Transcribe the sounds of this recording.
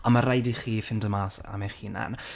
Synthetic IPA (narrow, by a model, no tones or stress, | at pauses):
ɔmaɾajdiχiːfɪndəmaːsa̰maχiːnɛ̰n